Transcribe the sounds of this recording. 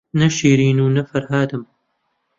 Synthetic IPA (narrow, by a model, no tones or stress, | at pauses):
nɐʃiːɾiːnuːnɐfɐɾɦaːd̪ɨm